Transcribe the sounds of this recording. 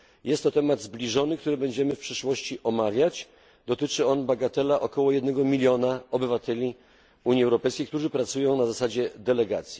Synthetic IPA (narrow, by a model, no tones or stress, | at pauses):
jʔɛst̪ːɔt̪ɛmad̪zblʲiʐɔnɘk̚t̪uɾɘbɛɲd͡ʑɛmɘfpʂɛʂwɔɕt͡ɕiʔɔmavʲjat͡ɕ | d̪ɔt̪ɘt͡ʂɘɔnbaɡat̪ɛlaʔɔkɔwɔjɛd̪nɛɡɔmʲilʲjɔnaɔbɘvat̪ʰɛlʲi | uɲjiɛwɾɔpɛjskʲejk̚t̪uʐɘpɾat̪sujɔ̃w̃nazasad͡ʑɛd̪ɛlɛɡat̪sʲji